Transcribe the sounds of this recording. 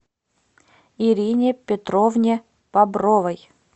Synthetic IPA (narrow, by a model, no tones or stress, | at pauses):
iɾʲinʲɪpʲɪt̪ɾovnʲe | pabɾovəj